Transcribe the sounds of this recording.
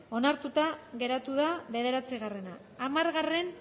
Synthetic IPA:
o̞naɾt̪ut̪aɣe̞ɾat̪uðaβe̞ðe̞ɾat͡siɣare̞naː | maɾɣare̞n

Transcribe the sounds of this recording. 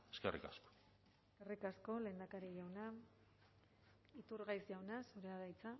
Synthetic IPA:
eskerḭka̰sko̥ | eskerikasko̞le̞ːnd̪akaɾiʝawna | it̪uɾɣajsʝawnasuɾeaðajt͡sa

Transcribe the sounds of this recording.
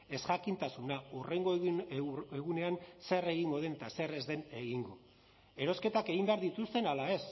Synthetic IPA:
e̞sʝakint̪asunaureŋɡo | eɣune̞anse̞re̞ɣiŋɡo̞ð̞e̞nt̪ase̞re̞zðe̞ne̞ɣiŋɡo | e̞ɾo̞ske̞t̪akeɣimbe̞aɾðit̪ust̪e̞nalae̞s

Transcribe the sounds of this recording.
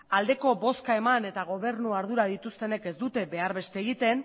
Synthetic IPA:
ald̪e̞ko̞bo̞skae̞mane̞t̪aɣ̞o̞β̞e̞ɾnuaɾð̞uɾað̞it̪ust̪e̞ne̞ke̞zd̪ut̪e̞be̞aɾβe̞st̪eːɣit̪e̞n

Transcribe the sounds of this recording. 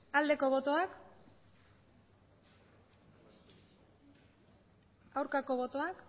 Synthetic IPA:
ald̪e̞ko̞βo̞t̪o̞ak | awɾkako̞βo̞t̪o̞ak

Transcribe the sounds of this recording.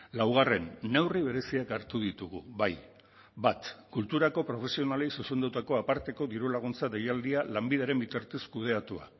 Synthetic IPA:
lawɣ̞are̞nːe̞wriβe̞ɾe̞siakaɾt̪uðit̪uɣ̞uβaj | bat̪kult̪uɾako̞pɾo̞fe̞sio̞nale̞jsusend̪awt̪ako̞apaɾt̪e̞ko̞ðiɾulaɣ̞unt͡saðejald̪ialambið̞eaɾe̞mbit̪aɾt̪eskuð̞e̞at̪ua̰

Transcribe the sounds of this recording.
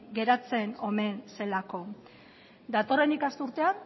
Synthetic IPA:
ɡe̞ɾat͡se̞no̞me̞nse̞lako̞ | d̪at̪o̞re̞nikast̪uɾt̪e̞an

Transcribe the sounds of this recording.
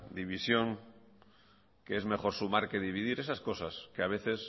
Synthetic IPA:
d̪iβ̞isjo̞ŋ | keezme̞χo̞ɾsumaɾke̞ðiβ̞iðiɾe̞sasko̞saskeaβ̞e̞θe̞s

